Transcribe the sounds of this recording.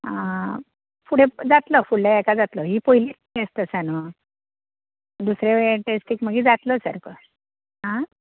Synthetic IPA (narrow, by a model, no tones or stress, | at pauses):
ɦã | fuɽed͡zat̪ləfuɭlaɛkad͡zat̪ləɦiːpoɦiliːʈest̪əsanʋə | d̪usɾeʋɭeʈesʈiːkm̤əɡiːd͡zat̪ləsə̰ɾkə | ɦã